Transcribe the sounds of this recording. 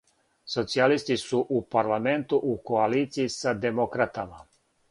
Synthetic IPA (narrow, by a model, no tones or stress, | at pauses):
so̞t̪sialist̪isuʔupaɾlame̞nt̪uʔuko̞aliːt̪siisad̪e̞mokɾat̪ama